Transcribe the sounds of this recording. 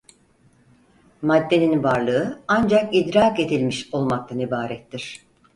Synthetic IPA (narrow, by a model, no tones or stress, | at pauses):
mad̪ːe̞ninvaɾlˠɯɯand͡ʒakid̪ɾaːke̞d̪ilʲmiʃo̞lˠmak̚t̪ʰanibaːɾɛt̪ːiɾ̝̥